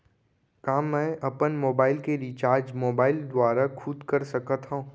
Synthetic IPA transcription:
kaːmːɛ̃ːʔɐpənmoːbaːɪlkeɾit͡ʃaːɾd͡ʒmoːbaːɪld̪waːɾakʰʊd̪kɐɾsɐkat̪ɦãː

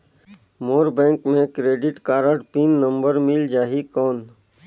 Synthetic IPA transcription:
moːɾbɛ̃ːŋkmẽkɾeːɖɪʈkaːɾəʈpiːnːə̃mbəɾmɪld͡ʒaːɦikɔːn

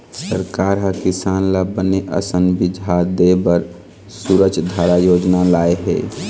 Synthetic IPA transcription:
səɾkaːɾɦəkɪsaːnlabəneʔə̰sənbɪd͡ʒʱad̪ebəɾ | suːɾət͡ʃʰd̪ʱaːɾajoːd͡ʒnalaːeɦɛ̰ː

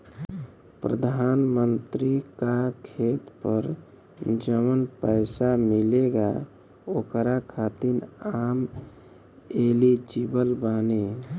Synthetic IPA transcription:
pɾə̰d̪ʱanmənt̪ɾikakʰet̪pəɾ | d͡ʒəmənpəɪsamileɡa | okɾakʰat̪inaːm | elid͡ʒibəlbaːne

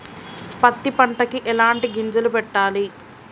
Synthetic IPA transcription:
pɐt̪ːipɐɳʈɐkiʔɛlaːɳʈiɡiɲd͡ʒɐlupɛʈːaːli

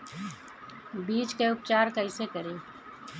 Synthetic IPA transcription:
biːt͡ʃkeʊpt͡ʃaːɾkɐɪsekəɾeː

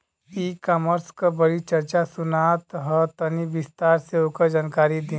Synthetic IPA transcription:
ikaməɾskəbəɽit͡ʃɐɾt͡ʃasʊnat̪ɦət̪əniʋɪst̪aːɾseokəd͡ʒaːnkaːɾid̪ĩ

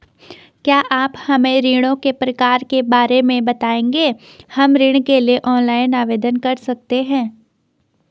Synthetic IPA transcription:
kjaːʔaːphɐmẽɾiːɽ̃õkepɾɐkaːɾkebaːɾemẽbɐt̪aːẽːŋɡeː | hɐmɾɪɽ̃kelieʔɔːnlaːɪnaːʋeːd̪ənkɐɾsɐk̚t̪eɦɛ̃ː

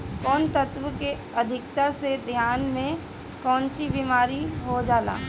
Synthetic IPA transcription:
kɔːnt̪ət̪wəke | ɐd̪ʱɪkt̪ased̪ʱjaːnmẽ | kɔ̃ːnt͡ʃibimaːɾiɦod͡ʒaːla̰ː

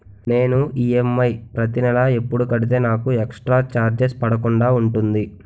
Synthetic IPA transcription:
ne̞ːnuiemːɐjpɾɐt̪inɛlae̞pːuɽukɐɽit̪̬e̞ːnaːkueksʈɾaːt͡ʃaːɾd͡ʒespɐɽɐkuɳɖaːuɳʈund̪i

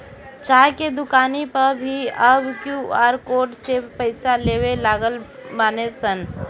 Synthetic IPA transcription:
t͡ʃaːjked̪ʊkaːnipəɾbʱiəbkjuaːɾkoːɖsepəɪsaleːwelaːɡəlbaːnesən

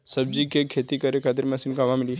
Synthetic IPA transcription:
sɐb̚d͡ʒikekʰeːt̪ikɐɾekʰaːt̪̬ɪɾmɐsinkaʋamɪli

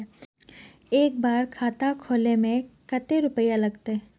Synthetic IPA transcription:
eːk̚baːɾkʰaːt̪akʰoːlemẽkət̪eɾʊpəjalɐɡt̪eɦ

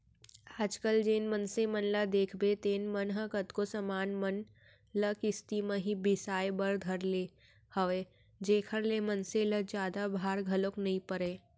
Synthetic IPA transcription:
aːd͡ʒkəld͡ʒeːnmənsemənlad̪eːkʰbet̪eːnmənɦəkət̪kosɐmaːnmən | ləkɪst̪imə̃ɦibɪsaːebəɾd̪ʱəɾleː | həʋeː | d͡ʒeːkʰəɾlemənseləd͡ʒjaːd̪abʱaːɾɡʱɐloknɐɦĩpəɾeː

